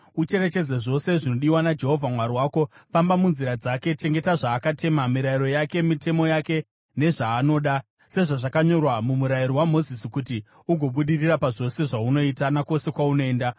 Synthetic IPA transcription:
ut͡ʃe̞ɾe̞t͡ʃe̞d͡zeʐo̞se̞ʐino̞ɗiwanad͡ʒe̞ɦo̞vʱamwariwaːko̞fambamunziɾad͡zake̞t͡ʃe̞ŋɡe̞taʐaːkate̞mamiɾaiɾo̞jake̞mite̞mo̞jake̞ | ne̞ʐaːno̞ːɗa | se̞ʐaʐakaɲo̞rwamumuɾajiɾowamo̞zisikuti | uɡʱo̞ɓuɗirirapaʐo̞se̞ʐauno̞itanako̞se̞kwaunoe̞ːnda

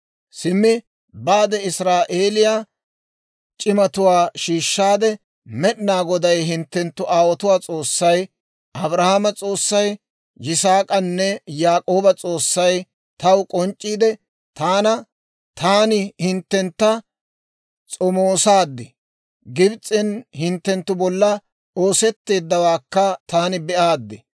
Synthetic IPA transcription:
sɪmːɪ | baːd̪ɛɪsɾaːʔeːlɪjaː | t͡ʃʼɪmɐt̪ʊwaːʃiːʃːaːd̪ɛ | mɛɗnaːɡɔd̪ɐjɦɪnt̪ːɛnt̪ːʊʔaːwɔt̪ʊwaːt͡sʼoːsːɐj | ʔɐbɾɐhamɐt͡sʼo̞ːsːɐj | jɪsaːkʼɐnːɛjaːkʼo̞ːbɐt͡sʼo̞ːsːɐj | t̪ɐwkʼɔnt͡ʃʼːiːd̪ɛ | t̪aːnɐ | t̪aːnɪhɪnt̪ːɛnt̪ːɐ | t͡sʼɔmoːsaːd̪ːɪ | ɡɪbt͡sʼːɪnhɪnt̪ːɛnt̪ːʊbɔlːɐ | o̞ːsɛt̪ːe̞ːd̪ːɐwaːkːɐt̪aːnɪbɛʔaːd̪ːɪ

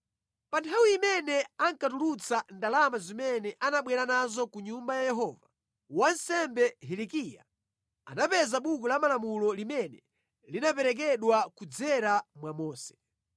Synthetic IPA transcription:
pantʰawiimɛnɛaŋkatulut͡sandalamazimɛnɛʔanaɓwɛɾanazɔkuɲumbajajɛɦɔːva | wansɛmbɛɦɛlikija̰ | a̰napɛzaɓukulamalamulɔlimɛnɛ | linapɛɾɛk̬ɛɗwakud͡zɛɾamwamɔːsɛ̥

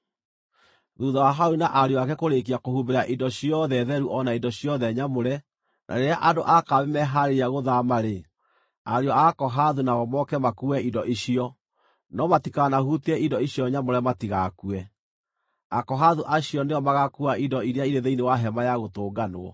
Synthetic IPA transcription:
ðuːðawaɦaoinaʔaɾeɔakɛkoɾekiakohubeɾaʔidɔɕiɔðɛðɛɾuʔɔnaindɔɕiɔðɛɲamoɾɛ | nʔa̰ɾeɾeaʔadoʔakaβemɛɦaɾeaɣoðamaɾe | aɾeɔakɔɦaðunaɣɔmɔkɛmakuɛidɔʔiɕiɔ | nɔmatikanahuteɛindɔiɕjɔɲamoɾɛmatiɣakuɛ | akɔɦaðuʔaɕiɔneɔmaɣakuaʔidɔiɾeaiɾeðeinewaɦɛmajaɣotoːɡanoɔ̰

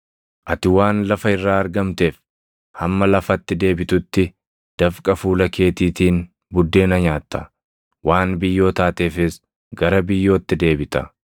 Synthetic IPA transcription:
ʔɐt̪ɪwaːnlɐfɐɪrːaːɐɾɡɐmt̪e̞ːf | hɐmːɐlɐfɐt̪ːɪd̪e̞ːbɪt̪ʊt̪ːɪ | d̪̥ɐfkʼɐfuːlɐke̞ːt̪iːt̪iːn | bʊd̪ːe̞ːnɐɲaːt̪ːɐ̥ | wʔaːnbɪjːo̞ːt̪aːt̪e̞ːfɪs | ɡɐɾɐbɪjːo̞ːt̪ːɪd̪e̞ːbɪt̪ɐ

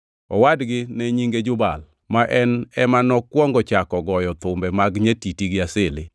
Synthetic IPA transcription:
ɔwadɡɪnɛɲiŋɡed͡ʒʊbal | maʔɛnɛmanɔkwɔŋɡɔt͡ʃakɔɡɔjɔt̪ʊmbɛmaɡɲetitiɡɪasɪlɪ

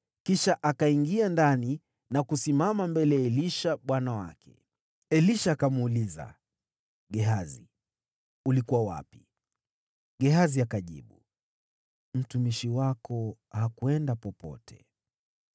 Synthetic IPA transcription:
kiʃaʔakaiŋɡiandani | nakusimamambɛlɛaɛliʃaɓwanawa̰kʰɛ̥̰ | ɛliʃaːkamuːliza̰ | ɡɛɦazi | ulikuwawa̰pi̥ | ɠɛɦaziakaʄḭɓu | m̩tumiʃiwakɔhakuɛndapɔpɔ̰tʰɛ̰

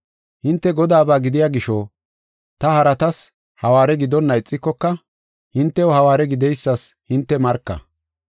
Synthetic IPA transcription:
hɪnt̪ːɛɡɔd̪aːbaːɡɪd̪ɪjaːɡɪʃoː | t̪ɐhɐɾɐt̪ɐs | hɐwaːɾɛɡɪd̪ɔnːɐɪt͡sʼːɪkːɔkːɐ | hɪnt̪ːɛɔhɐwaːɾɛɡɪd̪ɛjsːɐshɪnt̪ːɛmɐɾkːɐ̰

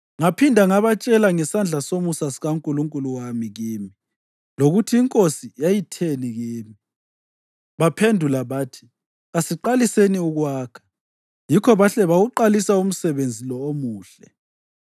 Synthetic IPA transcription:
ŋapʰindʱaŋaβat͡ʃʼɛlaŋɛsand͡ɮʱasomusasiɣaŋkʼuluŋkʼuluwamiɣiːmi | loɣutʰiːŋkʼosijajitʰeniɣiːmi | βapʰendʱulaβaːtʰi̥ | asiǃaliseniuɣwaːkʰɛ̥ | jikʰɔβaɬɛβaɣuǃalisaum̩sɛβend͡zʱilɔomuːɬɛ

